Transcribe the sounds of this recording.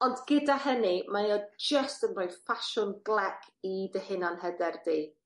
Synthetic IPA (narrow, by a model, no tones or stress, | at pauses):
ɔndɡədaɦənimajɔd͡ʒəstənrojfaʃʊnɡlˠɛkʰidəhɪnanhɛdɛrdi